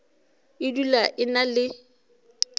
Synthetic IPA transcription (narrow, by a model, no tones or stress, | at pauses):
ɪdulaʔɪnalɪ